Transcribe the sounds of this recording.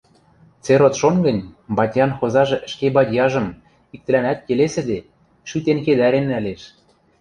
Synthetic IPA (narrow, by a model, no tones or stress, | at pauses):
t͡seɾot̪ʃonɡə̆nʲbɑtʲjɑnxozɑʒɤ̆ʔə̆ʃkebɑtʲjɑʒɤ̆m | ik̚t̪ɘ̆lænæt̪̚kelesɘ̆d̪e | ʃyt̪enked̪æɾenːæleʃ